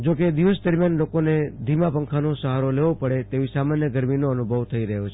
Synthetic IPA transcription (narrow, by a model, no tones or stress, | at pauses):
d͡ʒoked̪iʋəsd̪əɾmjanlokoned̪ʱimapəŋkʰanosəɦaɾoleʋopəɽet̪eʋisamanjəɡəɾminoənubʱəʋt̪ʰəiɾəɦjot͡ʃʰe